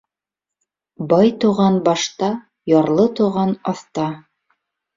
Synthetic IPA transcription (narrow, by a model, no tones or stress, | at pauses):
bɑjt̪uʁɑnbɑʃt̪ɑ | jɑɾlˠɤt̪uʁɑnɑθt̪ɑ